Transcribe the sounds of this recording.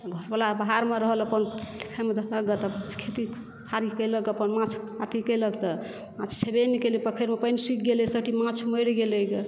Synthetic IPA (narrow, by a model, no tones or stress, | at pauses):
ɡʱɔɾbalabaɦaɾmeɾəɦələpənlikʰajmed̪ʱləɡət̪əpãt͡ʃʰkʰet̪i | aɾikəjləɡəpənmãt͡ʃʰat̪ikəjləɡt̪ə | mãt͡ʃʰt͡ʃʰebenikelipəkʰəɾmepəjnsik̚ʰɡelesəʈimãt͡ʃʰməjɽɡeleke